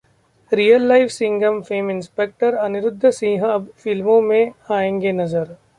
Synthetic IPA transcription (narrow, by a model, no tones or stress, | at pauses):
ɾijəlːaɪfsɪ̃ŋɡəmfeːmɪ̃nspeːk̚ʈəɾɐnɪɾʊd̪ʱːsĩːɦə̃ɐbfɪlmõmẽaːẽːŋɡenɐzəɾ